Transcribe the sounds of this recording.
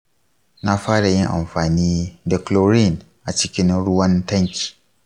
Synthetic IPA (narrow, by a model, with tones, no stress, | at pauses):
na˦faː˦ɽa˨jɪ˦ŋʔa̰˨mfaː˨niː˦da˨klo˦ɾi˦˨n | ʔa˨t͡ʃɪ˦kʲɪ˦nɾʊ˦wɐ˦nta˦ŋkʲi̥˨